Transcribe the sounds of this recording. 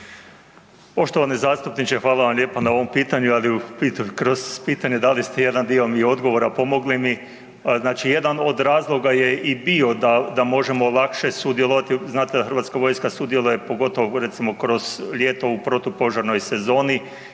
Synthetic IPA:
po̞ʃt̪o̞ʋanezaːst̪upnit͡ʃexʋaːlaʋamlʎʲe̞ːpanao̞ʋompiːt̪aɲualiupiːt̪ukɾo̞zpiːt̪aɲed̪alist̪eje̞d̪and̪iomio̞d̪ɡo̞ʋo̞ɾapo̞mo̞ɡlimi | znaːt͡ʃije̞d̪ano̞d̪ɾaːzlˠo̞ɡajeibio̞d̪ad̪amo̞ʒe̞mo̞lˠakʃesud̪jelˠoʋat̪iznaːt̪ed̪axɾrʋat̪skaʋo̞jskasud̪je̞lˠuje̞po̞ɡo̞t̪o̞ʋoɾet̪simo̞kɾo̞z̥ʎʲeːt̪o̞upɾo̞t̪upo̞ʒaɾno̞jse̞zo̞ːni

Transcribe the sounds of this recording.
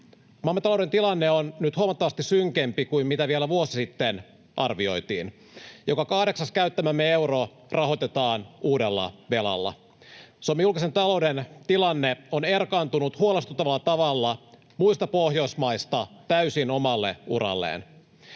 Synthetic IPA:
mɑmet̪ɑlo̞wde̞nt̪ilɑnːeonnyt̪huomɑt̪ːɑʋɑst̪isyŋkempikuimmit̪æʋielæʋuosisit̪ːen | ʔɑrʋio̞jt̪iːn | jo̞kɑkɑhde̞ksɑskæyt̪ːæmæmːee̞wro | rʔɑɦot̪et̪ɑːnuːdelːɑ̰ʋe̞lɑ̰lːɑ̰ | somːijulkise̞nt̪ɑlo̞uwdent̪ilɑnːeonerkɑːnt̪unut̪huolest̪ut̪ːɑʋɑlːɑt̪ɑʋɑlːɑ | muist̪ɑpohjo̞jsmɑjst̪ɑt̪æysino̞mɑlːe̞̰ṵɾɑ̰lːḛːn

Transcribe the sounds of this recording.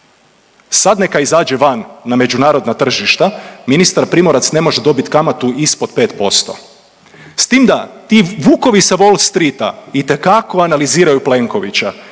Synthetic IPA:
sad̪ne̞kaizaːd͡ʒe̞ʋanːame̞d͡ʑunaːɾo̞d̪nat̪r̩ʒiʃt̪aminist̪aɾpɾimo̞ɾat̪sne̞mo̞ʒed̪o̞bit̪kamat̪uʔispo̞d̪pe̞ːt̪po̞st̪o̞̰ | st̪iːmd̪at̪iːʋuːko̞ʋiseʋolst̪ɾit̪a̰it̪e̞kako̞analiziːɾajuple̞ŋko̞ʋḭt͡ɕa

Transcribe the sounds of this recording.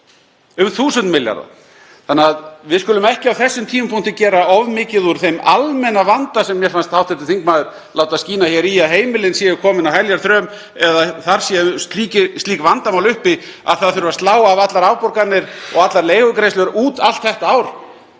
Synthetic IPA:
ʏmθuːsʏnt̪mɪlja̰ɾða̰ | θanːɪaðvɪðskʏlʏmɛhcɪawθɛsːʏmt̪ʰiːmʏmpʰun̥t̪ɪcɛːɾaɔvmɪːcɪðuɾ̥θejmalmɛnavant̪asɛmːjɛɾfanst̪hawht̪ɛt̪ɪθiŋkmaːðʏɾ̥ | laːwt̪asciːnaçjɛɾijaɦeːjmɪlɪnsiːɣʏkʰɔːmɪnawhɛljaɾ̥θɾœːm | ɛðaθaɾ̥sist̪liːcɪst̪iːkvant̪amawlʏhpɪ | a̰ðθaðθʏɾʏvast̪aːwaːvat̪laɾaːwpɔɾkaɾnːɪɾɔ̰ɣat̪laɾleːjɣʏkɾejslʏɾʔuːt̪al̥t̪θɛht̪aaːwɾ̥

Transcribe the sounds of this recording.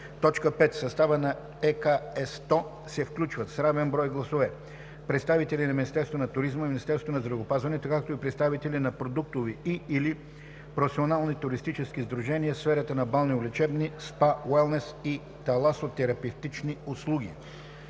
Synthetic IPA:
t̪ɔt͡ʃkəpɛt̪sɐst̪avənɐ | ɛkaɛst̪ɔ | sɛfklʲut͡ʃvət̪sɾavɛnbɾɔjɡlˠɐsovɛ | pɾɛt̪st̪avit̪ɛlinɐminist̪ɛɾst̪vonɐt̪ʊɾizməiminist̪ɛɾst̪vonɐzd̪ɾɐvopazvɐnɛt̪okak̚t̪oipɾɛt̪st̪avit̪ɛlinɐpɾod̪uk̚t̪ʊviiːli | pɾofsionalˠnit̪ʊɾist̪it͡ʃɛsk̟izd̪ɾuʒɛniəsfɛɾət̪ənɐbalˠniʊlʲɛt͡ʃɛbnispawɛlˠnɛsi | t̪ɐlˠasot̪ːɛɾɐpɛft̪it͡ʃniʊslˠuɡ̟ḭ

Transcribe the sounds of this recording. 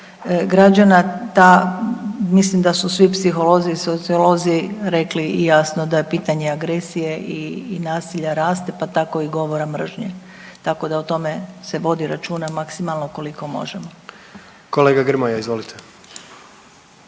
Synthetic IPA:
ɡɾad͡ʑanat̪a | mislimd̪asusʋipsixo̞lo̞ziːsot̪sio̞lo̞ziɾe̞klijasno̞d̪apiːt̪aɲeaɡɾe̞sije̞ʔiːnaːsiʎaɾaːst̪e̞pat̪ako̞iɡo̞ʋo̞ɾamr̩ʒɲe | t̪ako̞d̪aut̪o̞me̞se̞ʋo̞d̪iɾat͡ʃuːnamaksimalˠnoko̞liko̞mo̞̰ʒemo | koleːɡaɡr̩mojaizʋo̞lit̪ʰe

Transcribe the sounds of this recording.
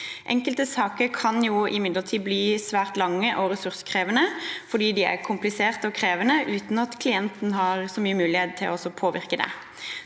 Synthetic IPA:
ʔɛ̰ŋkəlt̪əsɑːkəɾkʰɑnjuɪmɪd̪ləʁt̪ʰiːbliːsʋæːɾt̪lɑŋːəʔɔʁɛsʉɾsə̥kʰʁeːʋənəfɔd̪iːd̪ɪæ̰ʁkʰʊmplɪseːʁt̪əɔkʰɾeːʋənəʔʉːt̪n̩ɑt̪kʰlɪɛnt̪nɦɑːɾsɔmyːəmʉːlɪheːt̪t̪ʰːɪlɔsɔpʰoːʋɪ̰ɾkəd̪ɛ̰

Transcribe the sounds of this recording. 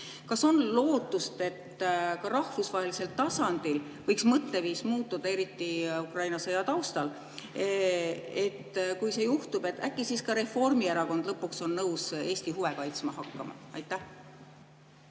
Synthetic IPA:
kɑso̞nlo̞ːt̪ːˑust̪e̞t̪ːkɑɾɑhfusvɑɦelise̞lt̪ɑsɑnd̪̥il | vɤjksmɤt̪ːe̞viːsmuːt̪ːˑud̪̥ɑe̞ɾit̪ːiukrɑjnɑsejɑt̪ɑwst̪ɑl | e̞t̪ːkujse̞juht̪ub̥e̞t̪ːˑækːisiskɑɾe̞fo̞rmieɾɑko̞nd̪̥lɤpːukso̞nːɤwse̞ːsʲt̪iɦuve̞kɑjt̪smɑɦɑkːɑmɑ̰ɑ̰jt̪ːˑæh

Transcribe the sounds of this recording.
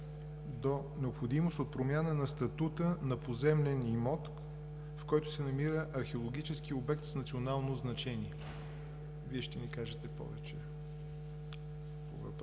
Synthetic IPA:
d̪o | nɛopxod̪imost̪ot̪̚pɾomʲjanənɐst̪ɐt̪ut̪ənɐpozɛmlɛnimɔt̪ | fkɔjt̪ʊ̥sɛnɐmiɾəʔɐɾxɛolˠoɡ̟it͡ʃɛsk̟iobɛkt̪snɐt̪sionalˠnoznɐt͡ʃɛniɛ | viɛʃt̪ɛnikaʒɛt̪ɛpɔ̰vɛt͡ʃɛ | po̰vɐ̰p

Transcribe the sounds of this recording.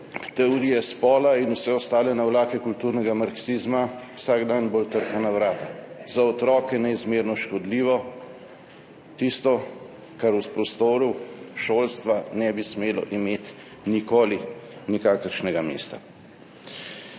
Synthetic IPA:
t̪ɛɔɾijɛspɔːlainusɛɔst̪aːlɛnawlaːkɛkult̪uɾnɛɡamaɾksizmawsaɡd̪anbolt̪əɾkanaʋɾaːt̪azaɔt̪ɾɔːkɛnɛizmeːɾnɔʃkɔd̪liːʋɔ | t̪ist̪ɔ | kaɾuspɾɔst̪oːɾuʃoːlst̪ʋanɛbismeːlɔ̰ʔimeːt̪ | nikoːlinikaːkəɾʃnɛɡamḛːst̪a

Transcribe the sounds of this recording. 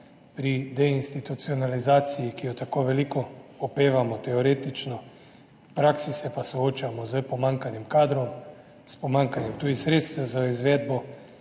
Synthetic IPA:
pɾid̪ɛinst̪it̪ut̪siɔnalizaːt̪sijikijɔt̪akoːʋɛlikɔɔpeːʋamɔt̪ɛɔɾeːt̪it͡ʃnɔ | pɾaːksisɛpasɔoːt͡ʃamɔzəpɔmaŋkanimkaːd̪ɾɔm | spɔmaŋkanjɛmt̪uːd̪isɾeːt̪st̪ɛwzaizʋɛːd̪bɔ

